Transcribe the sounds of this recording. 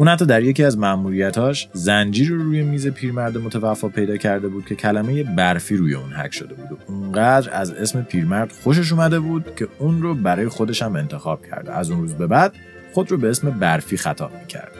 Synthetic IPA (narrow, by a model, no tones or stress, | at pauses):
ʔuːnhæt̪ːɒːd̪æɾje̞ciæzmæʔmuːɾijæt̪ʰɒːʃzænd͡ʒiːɾoɾuːje̞miːze̞pʰiːɾmæɾd̪emot̪ʰævæfːɒːpʰe̞jd̪ɒːcʰæɾd̪e̞buːd̪̥̚kʲʰe̞cʰælæme̞je̞bæɾfiːɾuːje̞unhæ̰cʃo̞d̪e̞buːd̪ouŋɢæːd̪ɾæze̞sme̞pʰiːɾmæɾd̪̥xo̞ʃ̬e̞ʃ̬uːmæd̪e̞buːd̪̥cʰe̞unɾobæɾɒːje̞xo̞d̪e̞ʃæme̞nt̪ʰexɒːb̥̚cʰæ̰ɾd̪ḛʔæzunɾuːzbe̞bæd̪̥ | χo̞d̪ɾobe̞esme̞bæɾfiːxæt̪ʰɒ̰ːb̥̚micʰæ̰ɾd̪̥̚